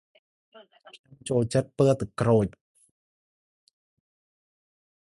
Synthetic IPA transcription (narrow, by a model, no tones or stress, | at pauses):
ɲomt͡ɕoːlt͡ɕət̪̚pəət̪ɨkroːc̚